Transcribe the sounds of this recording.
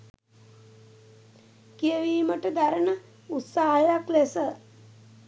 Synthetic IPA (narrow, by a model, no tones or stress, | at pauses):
kiəʋiːməʈəd̪aɾənə | ut̪saːɦajaklesə